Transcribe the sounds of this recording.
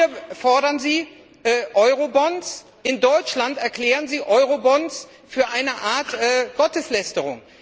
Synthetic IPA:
ɐfɔɐɾɐnziː | ʔɛːʔɔʏʁobɔns | ʔɪndɔʏt͡ʃlantɛɐkl̥ɛːʁənziːʔɔʏʁobɔns | fyːɐʔaɪnəʔaɐtʔɛːɡ̥ɔtəslɛstəʁ̞ʊ̰ŋ

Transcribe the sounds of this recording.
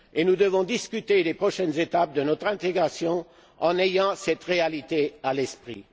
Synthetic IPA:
enud̪əvɔ̃d̪iskʲyt̪elepχɔʃɛnzet̪ap̚d̪ənɔt̪χɛ̃t̪eɡʁasjɔ̃ | ɑ̃nejɑ̃sɛt̪ʁealit̪ealɛspχḭ

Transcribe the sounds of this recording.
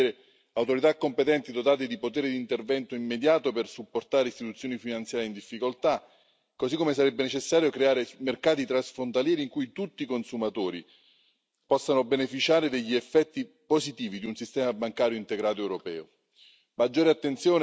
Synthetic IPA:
ɾe | awt̪oɾit̪akːompet̪ɛnt̪id̪ot̪aːt̪ed̪ipot̪eːɾed̪iːnt̪ervɛnt̪oimːed̪jaːt̪opersupːort̪aːɾeist̪it̪ut̪sːjoːnifinant̪sjaːɾjeind̪ifːikolt̪a | kosikːomes̬aɾɛbːenet͡ʃesːaːɾjokɾeaːɾemerkaːt̪it̪ɾansfɾont̪aljɛːɾiːŋkujt̪ut̪ːikonsumat̪oːɾi | pɔsːanobenefit͡ʃaːɾed̪eʎːiɛfːɛt̪ːi | pozit̪iːvid̪iunsist̪ɛːmabaŋkaːɾjoint̪eɡɾaːt̪oɛwɾopɛ̰ːo̰ | mad͡ʒːoːɾeat̪ːent̪sjoːn

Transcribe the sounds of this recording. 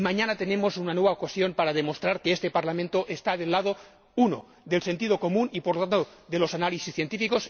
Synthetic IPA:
maɲanat̪e̞ne̞mo̞sunanwe̞βaokasjo̞mpaɾað̞e̞most̪ɾaɾkeest̪e̞paɾlamẽnt̪oʔest̪aðe̞lːað̞o | uno̰ | ðe̞lse̞nt̪iðo̞ko̞mũnipoɾlot̪ant̪oðe̞lo̞sanalisisθje̞nt̪ifiko̞s

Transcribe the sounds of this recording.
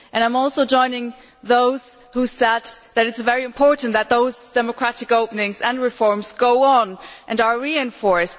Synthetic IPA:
ʔɨ̃nãɪ̃mɔlˠsoʊd͡ʒɔ̃ɪ̃nɪ̃ŋ | ðoʊz̥ | husɛd̪̚ðɨɾɨtsvɛɹiɨ̃mpʰɔɹʔn̩ðɨt̪̚ðoʊzd̥ɛməkʰɹ̥æɾɨkoʊpnɪ̃ŋzɨ̃nɹɨfɔɹmzɡoʊənʔɨ̃nə˞ɹiɨ̃nfɔɹs

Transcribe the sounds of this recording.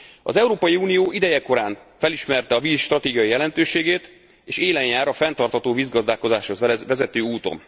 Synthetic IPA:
ɒ̰zɛuɾoːpɒjiuːnijoːʔid̪ɛjɛko̞ɾaːnfɛliʃmɛrt̪ɛɒviːsʃt̪rɒt̪eːɡijɒjijɛlɛnt̪øːʃeːɡeːt̪ | eːʃeːlɛɲjaːɾɒfɛnt̪ɒrt̪hɒt̪oːviːzɡɒzd̪aːko̞zaːʃho̞zvɛzɛt̪øːuːt̪o̞̰n

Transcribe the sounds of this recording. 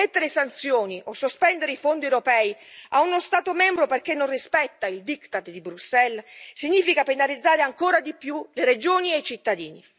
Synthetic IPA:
et̪ːeɾesant̪sjoːniʔosːospɛnd̪eɾeifond̪iewɾopɛːiaunost̪aːt̪omɛmbɾoperk̟enːonrispɛt̪ːaild̪ikt̪at̪d̪ibɾusːɛlsiɲːiːfikapenalid̪zːaːɾeaŋkoːɾad̪ipjuleɾed͡ʒoːniejt͡ʃit̪ːad̪iːni

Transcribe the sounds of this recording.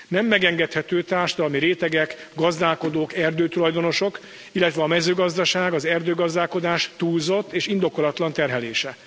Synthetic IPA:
nɛmːɛɡɛŋɡɛt̪hɛt̪øːt̪aːrʃɒd̪ɒlɒmiɾeːt̪ɛɡɛkɡɒzd̪aːlko̞d̪oːkɛrd̪øːt̪ulɒjd̪o̞no̞ʃo̞k | ilːɛt̪ʋɛɒmɛzøːɡɒzd̪ɒʃaːɡɒzɛrd̪øːɡɒzd̪aːlko̞d̪aːʃt̪uːlzo̞t̪ːeːʃind̪o̞ko̞lɒt̪lɒnt̪ɛrɦɛleːʃɛ

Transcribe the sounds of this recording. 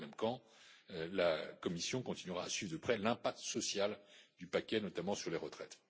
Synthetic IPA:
mɛmkɑ̃ | lakɔmisjɔ̃kɔ̃t̪inɥyʁaːsɥivd̪əpχɛlɛ̃pak̚t̪sɔsjald̪ypakʲɛnɔt̪amɑ̃syʁleʁət̪χɛt̪

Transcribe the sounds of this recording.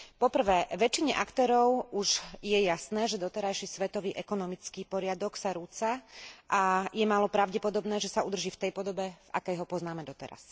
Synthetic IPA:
pɔpr̩ʋɛːʋɛt͡ʃiɲɛ̰ʔakt̪ɛːɾɔʊuʒjɛjasnɛːʒɛd̪ɔt̪ɛɾajʃisʋɛt̪ɔʋiːʔɛkɔnɔmit͡skiːpɔɾɪad̪ɔksaɾut͡saʔajɛmaːlɔpɾaʊɟɛpɔd̪ɔbnɛːʒɛsaud̪r̩ʒiːft̪ɛjpɔd̪ɔbɛva̰kɛjɦɔpɔznaːmɛd̪ɔt̪ɛɾa̰s

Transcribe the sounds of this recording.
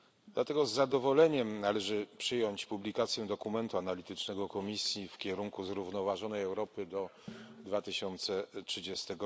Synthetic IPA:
d̪̥lat̪ɛɡɔzːad̪ɔvɔlɛɲɛmnalɛʐɘpʂɘjɔɲt͡ɕpublʲikat̪sʲjɛ̃d̪ɔkumɛnt̪uanalʲit̪ɘt͡ʂnɛɡɔkɔmʲisʲjifkʲɛɾuŋkuzɾuvnɔvaʐɔnɛjɛwɾɔpɘd̪ɔd̪vat̪ɘɕɔnt̪sɛtʂɘd͡ʑest̪ɛɡɔ

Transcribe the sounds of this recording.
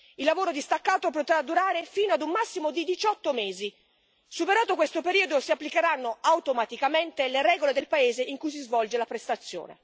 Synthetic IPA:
ilːavoːɾod̪ist̪akːaːt̪op̬ot̪ɾad̪ːuɾaːɾefiːnoad̪umːasːimod̪id̪it͡ʃɔt̪ːomeːzi | supeɾaːt̪okwest̪opeɾiːod̪osiapːlikeɾanːoawt̪omat̪ikament̪eleɾɛːɡoled̪elpaeːzeʔiŋkujs̬izvɔld͡ʒelapɾest̪at̪sːjo̰ːnḛ

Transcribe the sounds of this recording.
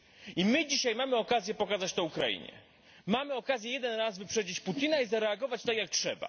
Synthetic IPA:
imɘd͡ʑiɕajmamɘɔkazʲjɛpɔkazat͡ɕt̪ɔukɾaḭɲɛ̰ | mamɘɔkazʲjɛjɛd̪ɛnɾazvɘpʂɛd͡ʑit͡ɕput̪ʲinaizaɾɛaɡɔvat͡ɕt̪akʲjak̚tʂɛ̰ba̰

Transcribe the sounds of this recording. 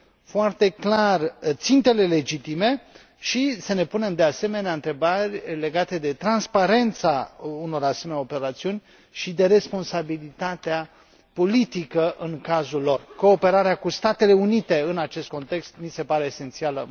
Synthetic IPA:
foart̪e̞klart̪sint̪e̞le̞le̞d͡ʒit̪ime̞ | ʃisəne̞pune̞md̪e̞ase̞me̞neaɨnt̪ɾe̞barʲle̞ɡat̪e̞d̪e̞t̪ɾanspaɾe̞nt̪sauno̞ɾase̞me̞nʲao̞pe̞ɾat̪siunʲ | ʃid̪e̞ɾe̞spo̞nsabilit̪at̪ea | po̞lit̪ikəʔɨŋkazulːo̞rko̞ːpe̞ɾaɾeakust̪at̪e̞le̞unit̪e̞ɨnat͡ʃe̞st̪̚ko̞nt̪e̞kst̪mise̞paɾe̞ːse̞nt̪sialə̰

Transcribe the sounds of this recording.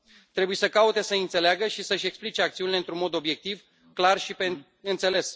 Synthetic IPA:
t̪ɾe̞bujesəkaut̪e̞səɨnt̪se̞leaɡəʃisəɨʃʲe̞ksplit͡ʃeak̚t̪siunile̞ɨnt̪ɾunmo̞d̪o̞bje̞k̚t̪iv | klarʃipe | ɨnt̪se̞le̞s

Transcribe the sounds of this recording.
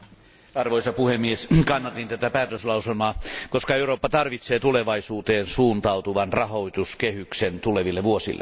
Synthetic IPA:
ɑrʋoisɑpuhemːieskɑnːɑt̪int̪æt̪æpæːt̪øslɑuselmɑːkoskɑeuroːpːɑt̪ɑrʋit̪seːt̪uleʋɑisuːt̪eːnsuːnt̪ɑut̪uʋɑnrɑhoit̪uskehyksent̪uleʋilːeʋuosḭlːḛ

